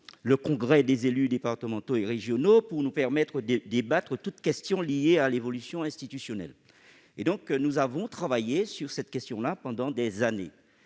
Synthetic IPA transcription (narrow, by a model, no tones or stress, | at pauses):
ləkɔ̃ɡʁɛd̪ezelyd̪epaʁt̪əmɑ̃t̪oeʁeʒjɔnopuʁnupɛʁmɛt̪χəd̪d̪ebat̪χət̪ut̪kʲɛst̪jɔ̃lijealevɔlysjɔ̃ɛ̃st̪it̪ysjɔnɛ̰l | ed̪ɔ̃knuzavɔ̃t̪χavajesyʁsɛt̪̚kʲɛst̪jɔ̃lapɑ̃d̪ɑ̃d̪ezane